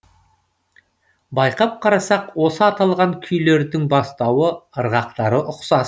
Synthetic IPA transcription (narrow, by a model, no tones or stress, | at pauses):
bɑjqɑp̚qʰɑɾɑsɑqwo̞səɑt̪ɑlˠʁɑŋkʲʰʏjle̞ɾd̪ɪŋbɑst̪ɑwəəɾʁɑqt̪ɑɾəʔʊqsɑs